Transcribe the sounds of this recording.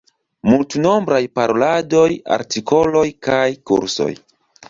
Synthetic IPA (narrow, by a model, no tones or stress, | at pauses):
multuno̞mbɾajpaɾo̞lado̞ja̰ɾtiko̞lo̞jkajkṵɾso̞̰j